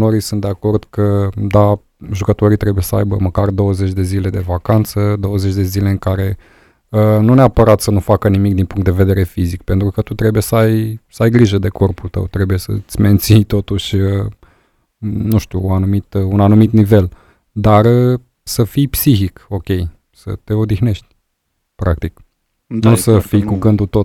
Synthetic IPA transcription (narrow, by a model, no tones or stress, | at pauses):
noɾisunt̪̚d̪e̞ako̞rd̪̥kəd̪a | ʒukət̪o̞ɾijt̪ɾe̞buje̞səa̰jbəməkard̪o̞wəze̞t͡ʃʲd̪e̞zile̞d̪e̞vakant̪səd̪o̞wəzet͡ʃʲd̪e̞zile̞ɨŋkaɾe̞ | ənuneapəɾat̪sənufakənimik̚d̪inpuŋkt̪d̪e̞ve̞d̪e̞ɾe̞fizikpe̞nt̪ɾukət̪ut̪ɾe̞buje̞səajsəajɡɾiʒəd̪e̞ko̞rpult̪ə̰wt̪ɾe̞buje̞sə̰t̪sʲme̞nt̪sijt̪o̞t̪uʃʲə | nuʃt̪uːanumit̪unanumit̪nive̞l | d̪arə | səfijpsiçiko̞kʲe̞j | sə̰t̪e̞o̞d̪ixne̞ʃt̪ʲ | pɾak̚t̪ik | nusəfijkuɡɨnd̪ut̪o